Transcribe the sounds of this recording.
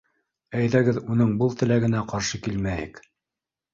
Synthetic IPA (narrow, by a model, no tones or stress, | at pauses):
æjðæɡɘðunɤɴbɤlˠt̪ɘ̆læɡɘ̆næqɑɾʃɤkilmæjɘ̰k